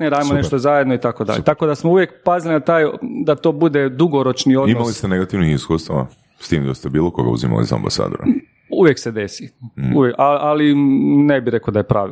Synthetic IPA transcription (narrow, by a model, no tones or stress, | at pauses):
neɾaːiimonneʃt̪ozajed̪noit̪ako̞d̪a̰ʎḛt̪ako̞d̪asmouʋje̞k̚pazilinat̪aːjd̪at̪o̞ːbud̪e̞d̪uɡoɾo̞t͡ʃnioimalist̪eneɡat̪iʋnixiskuːst̪aʋa̰ | st̪iːmd̪ost̪ebiːlˠokoɡa̰ṵzima̰lḭza̰mba̰sa̰ːd̪oɾa̰ | uʋjeksed̪e̞siuʋjekaalinebiɾekod̪aje̞pɾaːʋi